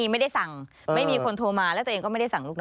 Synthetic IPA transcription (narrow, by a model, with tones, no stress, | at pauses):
i˧ma˥˩jda˥˩jsa˨˩ŋ | ma˥˩jjmiː˧kʰo˧nt̪ʰoː˧maː˧lt̪ːe˧ŋkɔː˥˩a˥˩da˥˩sa˨˩ŋluː˥˩n˦